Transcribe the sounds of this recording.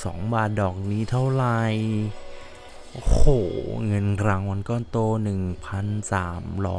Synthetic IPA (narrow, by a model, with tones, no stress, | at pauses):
sɔ̰ː˩˦ŋbaː˨˩t̪̚dɔː˨˩k̚niː˦˥t̪ʰa˥˩wɾa˧j | o˧hoː˩ŋɤ˧nɾa˧˥ŋwa˧nkɔː˥˩nt̪oː˧nɯ˨˩ŋpʰa˧nsaː˩˦mɾɔ̰ː˦˥